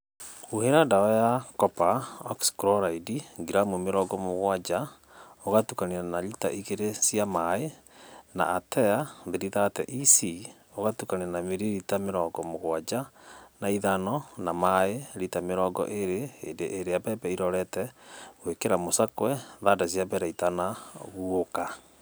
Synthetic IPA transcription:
uheɾadaɔjakɔpaɔkskɾɔɾaidiɡiɾamomeɾɔɡɔmoɣwad͡ʑa | oɣatukanianalita̰ʔiɣeɾesijamae | na̰ːtʰɛaðeɾiðatɛ̰ʔisi | oɣatukanianameɾiɾitameɾɔɡɔmoɣwad͡ʒanaiðanɔnamaeɾitameɾɔɡɔ̰ʔeɾḛːndeʔːɾeabɛbɛiɾɔɾɛtɛɣwekeɾamosakwɛðadasjabɛɾaitanaɣuoka

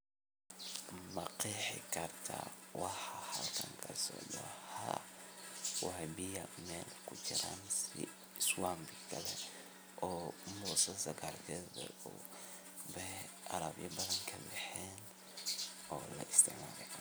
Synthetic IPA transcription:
mɐqiħɪkʰɐrt̪ʰɐ̰wɑħɑhɐlkʰɐŋkʰɐsɔ̰ːdɐha | wɑħɑbɪjɐmɛːlkʰʊt͡ʃɪɾaːnsɪ̰ | swaːmbɪkʰɐlɛ | ʔɔːmɔːsɐsɐkʰaːrkʰɛːðɐu | bɛ | ʔɐɾɐbjɐbɐðɐŋkʰɐbɛħɛːn | ɔːlɐ̰ʔɪst̪ʰɪʕmaːlɛ

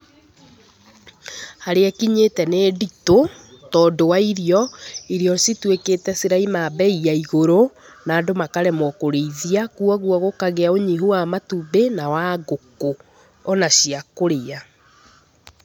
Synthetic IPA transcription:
haɾeakiɲetɛneːdito | tɔːdowaiɾiɔiɾiɔsitwekeːtɛsiɾaimabɛiaiɣoɾo | naːdomakaɾɛmɔkoɾeiðiakuaɣwɔɣokaɣeaoɲiɦuwamatubenawaɣoko | ɔnaɕiakoɾea

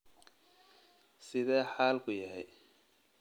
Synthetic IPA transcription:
sɪðɛːħaːlkʰʊjɐɦɛ̰j

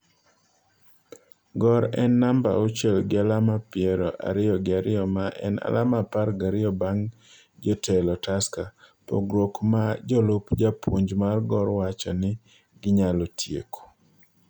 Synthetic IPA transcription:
ɡɔɾɛnːamba̰ot͡ʃelɡɪalamapɪɛɾɔʔa̰ɾɪɔɡɪaɾɪɔmaʔɛ̰na̰lʔamapaɾɡaɾɪɔbaŋ | d͡ʒɔtɛlɔtaska | po̰ɡɾokmad͡ʒɔlʊpd͡ʒapʰṵɲd͡ʒmarɡɔɾwat͡ʃɔnɪ | ɡɪɲalɔtʰjḛko̥

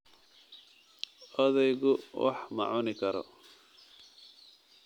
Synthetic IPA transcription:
ɔðɛjɣʊwɑ̰ħmɑ̰ʕʊnɪkʰɐɾɔ̰

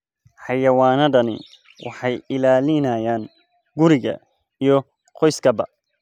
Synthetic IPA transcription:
ħɑjɐwaːnɐɖɐnɪ̰ | wʔɑ̰ħɑjɪlaːlɪnɐjaːn | ɡʊɾɪɣɐ̰ | ijɔ | qɔjskʰɐbɐ̰

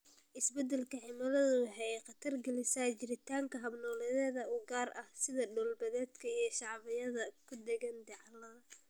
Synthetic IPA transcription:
ʔɪsbɛd̪ɛlkʰɐħɪmɐlɐðʊːħɛjɛqɑt̪ʰɐrɡɐlɪsaːt͡ʃɪɾɪt̪ʰaːŋkʰɐɦɐbnɔːlɛðɛːðɐuːɡaːrʔɐhsɪðɐɖɔːlbɐðɛːd̪kʰɐijɞʃɑʕβɪjɐðɐkʰʊd̪ɛɣɐnd̪ɛʕlɐ

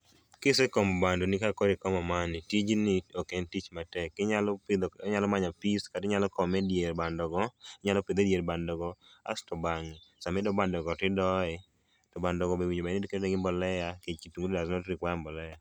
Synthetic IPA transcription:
kɪsekɔmɔbandɔnikakɔɾɪkɔmɔmanɪtid͡ʒniokɛntit͡ʃmatɛkːɪɲalɔd̪ɲalɔmaɲapiskadɪɲalɔkɔmɛdjeɾbandɔɡɔɪɲalɔped̪edjeɾbandɔɡɔa̰stɔbaŋisamɪdɔbandɔɡɔtɪdɔɛ | d̥ɔbandɔɡɔbewiɲomanedkeddeɡɪmbɔlɛjakekituŋɡudedaznɔtɾɪkwajambɔlɛja

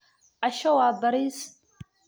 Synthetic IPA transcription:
aʃawaːbaɾistʼ

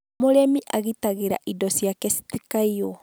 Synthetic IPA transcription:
moɾemiʔaɣitaɣeɾa̰ʔidɔsijakesi̥tikaiɔ

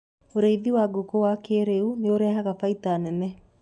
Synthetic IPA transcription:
oɾeiðiwaɡokowakeɾeuneoɾɛːɦaɣafaitanɛnɛ

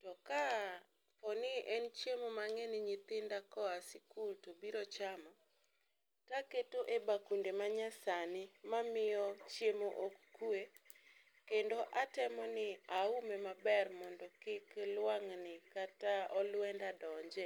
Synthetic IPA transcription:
tɔka | pɔnɪʔɛnt͡ʃjemomaŋenɪɲɪt̪ɪndakɔasɪkultobiɾɔt͡ʃama | taketoʔebakundemaɲasanɪmamɪjɔt͡ʃjemoʔokːue | kendoʔatɛmɔnɪaumemabɛrmɔndɔkɪklwaŋnɪkataɔlwɛndadɔɲd͡ʒe

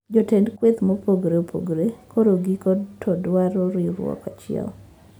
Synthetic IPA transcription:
d͡ʒotendkwet̪mopoɡɾeopʰo̰ɡɾekʰoɾoɡikɔdtʰɔdwaɾɔɾiɾw̰ɔ̰kat͡ʃɪɛ̰l

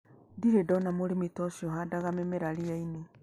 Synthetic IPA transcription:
diɾedɔnamoɾemetɔʃiɔɦadaɣamemeɾaɾiaine

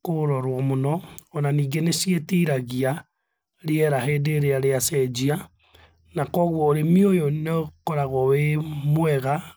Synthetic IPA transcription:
koɾɔɾwɔmonɔːnaniːɡenesjetiɾaɣia | ɾeɛɾaɦeːdeɾeaɾeasɛd͡ʒia | nakɔɣwɔːɾemiojonɔkɔɾaɣɔwemwɛɣa

